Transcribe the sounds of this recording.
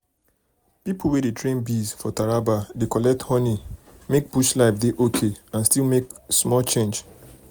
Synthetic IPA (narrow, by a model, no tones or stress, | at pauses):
pipowedetɹẽnbizfɔtaɹabadekɔlɛk̚thɔnimek̚buʃlaɪfdeʔokʰeãnstilmeksmɔlt͡ʃẽnd͡ʒ